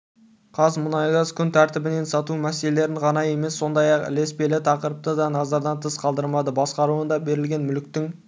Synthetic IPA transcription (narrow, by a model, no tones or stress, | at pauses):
qʰɑzmʊnɑjʁɑzkʲʰʏnt̪ʰæɾt̪ɪbɪne̞nsɑt̪umæse̞le̞le̞ɾɪɴqʰɑnɑje̞me̞sːo̞nd̪ɑjɑqɪ̰le̞spe̞lɪt̪ʰɑqəɾəp̚t̪əd̪ɑnɑzɑɾd̪ɑnt̪ʰəsqʰɑlˠd̪əɾmɑd̪əbɑsqɑɾuənd̪ɑbe̞ɾɪlɡʲe̞nmʏlɪk̚t̪ɪŋ